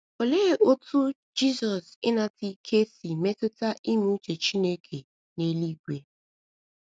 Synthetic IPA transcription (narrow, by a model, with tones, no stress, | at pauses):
o˨le˦˨o˦tʰu˦ | d͡ʒi˦zɔ˨sɪ˦na˦ti˨kʰe˦si˨me˦tʊ˦ta˦ʔi˦mu˦t͡ʃe˨t͡ʃi˦ne˦kʰe˨ | ne˦li˦ɡʷe˨